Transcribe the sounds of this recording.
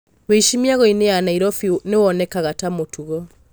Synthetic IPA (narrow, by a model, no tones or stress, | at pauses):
weiʃimiaɣɔineanaiɾɔfinewɔnɛkaɣatamotʰuɣɔ